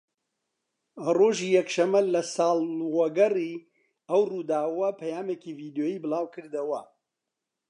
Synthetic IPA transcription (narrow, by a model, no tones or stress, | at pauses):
roːʒiːjɛkʃɐmːɐlɐsɑːlˠwɐɡɐri | ɐwrud̪aːwɐpʰɐjaːmeːciviːd̪joːjiːbɨlaːwkʰɨɾd̪ɐwɐ